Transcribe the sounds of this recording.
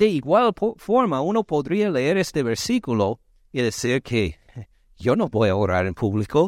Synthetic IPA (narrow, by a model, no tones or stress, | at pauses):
d̪̥eiɣwalfoɾmaunopoðɾialeeɾest̪eβeɾsikulo | iðesiɾkʰe | jonobojaoɾa̰ɾenpʰuβliko